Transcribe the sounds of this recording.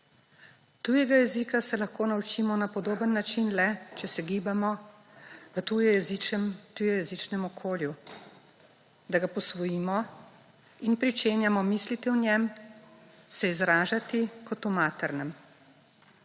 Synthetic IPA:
t̪ujɛɡajɛziːkasɛlaxkoːnaut͡ʃimɔnapɔd̪oːbənːat͡ʃinlɛt͡ʃɛsɛɡiːbamɔ | ʋət̪ujɔjɛzimt̪ujɔjɛzit͡ʃnɛmɔkʰoːlju | d̪aɡapɔsʋɔjiːmɔ | inpɾit͡ʃeːnjamɔmislit̪ɛwnjɛm | sɛizɾaːʒat̪ikɔt̪umaːt̪ɛɾnɛm

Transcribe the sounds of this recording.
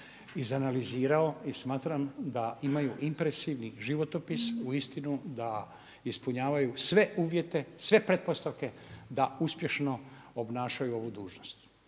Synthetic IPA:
izanaliziːɾao̞ismaːt̪ɾamd̪aimajuʔimpɾesiʋniʒiʋo̞t̪o̞pisuist̪inud̪a | ispuɲaːʋajusʋe̞ʔuːʋje̞t̪e̞sʋe̞pɾe̞t̪̚post̪aʋke̞d̪auspje̞ʃno̞obnaːʃajuo̞ʋud̪uːʒno̞st̪

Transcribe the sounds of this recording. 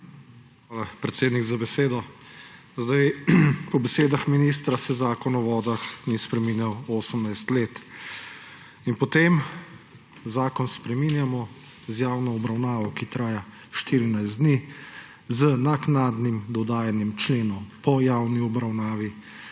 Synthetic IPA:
xʋaːlapɾɛt̪seːd̪niɡzabɛseːd̪ɔ | zd̪ajpɔbɛseːd̪axminiːs̬t̪ɾasɛzaːkɔnɔʋɔːd̪axnispɾɛmiːnjawoːsəmnajst̪leːt̪ | inpɔt̪em | zaːkɔnspɾɛminjamɔ | zjawnɔɔbɾawnaːʋɔkit̪ɾaːja | ʃt̪iːɾinajzd̪ni | zənaknaːd̪nimd̪ɔd̪aːjanjɛmt͡ʃleːnɔwpɔjawniɔbɾawnaːʋi

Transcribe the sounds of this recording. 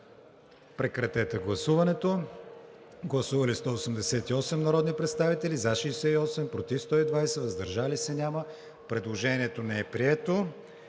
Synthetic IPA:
pɾɛkɾɐt̪ɛt̪ɛɡlˠɐsuvɐnɛt̪o | ɡlˠɐsuvɐlist̪ɔosɛmd̪ɛsɛt̪iɔsɛmnɐɾɔd̪nipɾɛt̪st̪avit̪ɛlizaʃiːsɛiɔsɛmpɾot̪ifst̪ɔid̪vajsɛvɐzd̪ɐɾʒalisɛnʲamə | pɾɛd̪lˠoʒɛniɛt̪onɛɛpɾiɛt̪o

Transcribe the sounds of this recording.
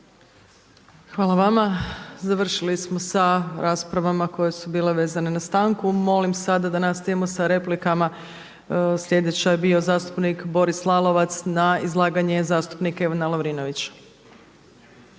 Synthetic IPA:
xʋaːlˠaʋamazaʋr̩ʃilismo̞saɾaːspɾaʋamako̞je̞subiːle̞ʋe̞ːzanenast̪aːŋkumo̞limsad̪ad̪anast̪ijemo̞saɾe̞plikama | sʎʲje̞d̪e̞t͡ɕajebio̞zaːst̪u̥pnikbo̞ɾislˠalˠo̞ʋat̪snaizlˠaːɡaɲe̞zaːst̪upnikaeʋanaloʋɾino̞ʋit͡ɕḁ

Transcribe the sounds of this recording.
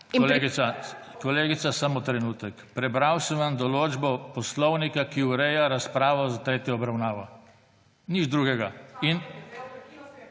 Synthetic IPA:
kɔleɡia | kɔleːɡit̪sasamɔt̪ɾɛnuːt̪ɛkpɾɛbɾawsɛmʋamd̪ɔloːd͡ʒbɔpɔslɔwnikakiuɾɛjaɾaspɾaːʋɔzat̪ɾeːt̪jɔːbɾawnaːʋɔ | nid͡ʒd̪ɾuːɡɛɡain

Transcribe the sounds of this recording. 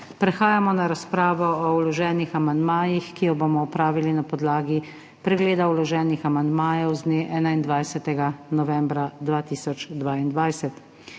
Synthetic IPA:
pɾɛxaːjamɔnaɾaspɾaːʋɔɔulɔʒɛːnixamand̪maːjixkijɔbomɔɔpɾaːʋilinapɔd̪laːɡi | pɾɛɡleːd̪aulɔʒɛːnixamand̪maːjɛwzneʔɛːnaind̪ʋajsɛt̪ɛɡanɔʋɛmbɾad̪ʋaːt̪iːsɔt͡ʃd̪ʋaːind̪ʋajsɛt̪

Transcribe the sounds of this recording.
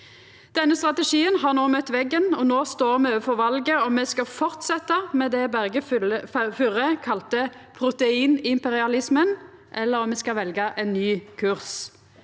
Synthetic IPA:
d̪̥ɛnːəst̪ʁɑt̪ɛʂiːənɦɑːʁnoːmœt̪ːʋɛɡːənɔnoːst̪oːʁmɛøːʋəfɔʁʋɑlɡəɔmɛskɑfɔʁt̪sɛt̪ːɑmɛd̪ɛbæɡə | fʉʁəkʰɑlt̪əpʰʁʊt̪ɛiːnɪmpɛʁɪɑlɪsmənʔɛlːəʁɔmɛskɑʋɛlɡəʔɛnːyːkʰʉʁs

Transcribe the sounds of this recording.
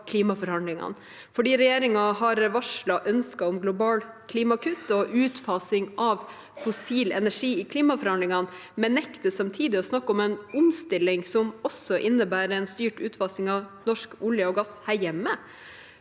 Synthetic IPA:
kʰliːmɑfɔɾhɑnlɪŋɑ̰n | fɔɖiːɾɛjeːɾɪŋɑhɑɾʋɑʂlɑʔœnskɑɔmɡlʊbɑːlkʰliːmɑkʰʉt̪ːɔʔʉːt̪fɑːsɪŋʔɑʋ | fɔsiːlɛnæʂiːɪkʰliːmɑfɔɾhɑndlɪŋɑn | mɛnɛkt̪əsɑmt̪ʰiːd̪ɪɔsnɑkːɔmɛnʊmst̪ɪlːɪŋsɔmɔsɔʔɪnːəbæːɾɛnst̪yːʈʉːt̪fɑsɪŋɑʋnɔʂkʊljəɔɡɑshæɾjɛmːə

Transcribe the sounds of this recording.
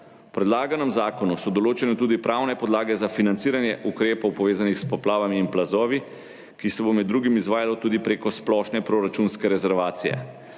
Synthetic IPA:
pɾɛd̪laːɡanɛmzaːkɔnusɔd̪ɔloːt͡ʃɛnɛt̪uːd̪ipɾʔawnɛpɔd̪laːɡɛzafinantsiːɾanjɛʔukɾeːpɔwpɔʋeːzanixspɔplaːʋamiːnplazɔːʋi | kisɛbomɛd̪ːɾuːɡimizʋaːjalɔt̪uːd̪ipɾeːkɔsplɔʃnɛpɾoɾat͡ʃunskɛɾɛzɛɾʋaːt̪sijɛ̰

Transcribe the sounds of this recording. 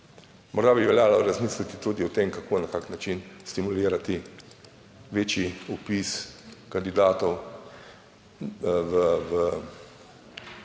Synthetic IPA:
mɔɾd̪aːbiʋɛljaːlaɾazmiːslit̪it̪uːd̪iut̪emkakʰoːnakaːknat͡ʃinst̪imuliːɾat̪i | ʋeːt͡ʃjiupiskand̪id̪aːt̪ɔw | ʋəʋə

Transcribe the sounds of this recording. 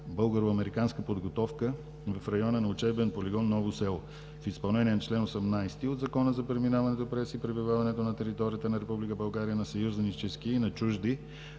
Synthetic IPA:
bɤlˠɡəɾoɐmɛɾikanskəpod̪ɡot̪ɔfkə | vɐfɾɐjɔnənɐʊt͡ʃɛbɛnpoliɡɔnːɔvosɛlˠ | fispɐlˠnɛniənɐt͡ʃlɛnosɛmnajst̪iod̪zɐkɔnəzɐpɾɛminavɐnɛt̪opɾɛsipɾɛbivavɐnɛt̪onɐt̪ɛɾit̪ɔɾijət̪ənɐɾɛpublikəbɐlˠɡaɾijənɐsɐjuzənit͡ʃɛskiinɐt͡ʃuʒd̪i

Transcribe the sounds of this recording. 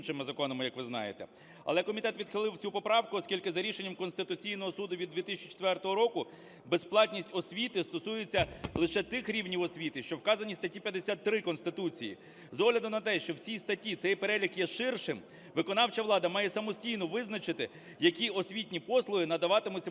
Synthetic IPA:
nʃɪmɪzɐkɔnɔmɪjɐkʋɪznɑ̰jet̪ɛ̰ | ɐ̰lˠɛkɔmʲit̪ɛt̪ʋʲid̪xɪlˠɪwt͡sʲupɔpɾɑwkʊɔskʲilʲkɪzɐɾʲiʃenʲːɐmkɔnst̪ɪt̪ʊt͡sʲijn̪ɔɦɔsud̪ʊʋʲid̪d̪ʋʲit̪ɪsʲt͡ʃi̥t͡ʃe̥t̪ʋɛrt̪ɔɦɔɾɔkʊ | besplˠɑt̪ʲnʲisʲtʲɔsʲʋʲit̪ɪst̪ɔsujɪt͡sʲːɐlˠɪʃɛt̪ɪxɾʲiwnʲiwɔsʲʋʲit̪ɪʃt͡ʃɔwkɑzɐnʲist̪ɐtʲipʲjɐd̪esʲat̪ːɾɪkɔnst̪ɪt̪ut͡sʲijḭ | zɔɦlʲɐd̪ʊmnɐt̪ɛʃt͡ʃɔwt͡sʲijst̪ɐtʲit̪sɛjpeɾɛlʲikjɛʃɪrʃɪm | ʋɪkɔnɑwt͡ʃɐʋlˠɑd̪ɐmɑjɛsɐmɔsʲtʲijnɔʋɪznɐt͡ʃɪt̪ɪ | jɐkʲiɔsʲʋʲitʲnʲipɔslˠʊɦɪnɐd̪ɐʋɑt̪ɪmʊt͡sʲɐ

